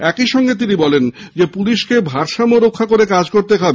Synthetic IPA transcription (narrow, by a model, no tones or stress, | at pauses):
ɛkiʃɔŋɡet̪̬inibɔlend͡ʑepuliʃkebʱaɾʃamoɾokʰːakoɾekad͡ʑkoɾt̪ekabe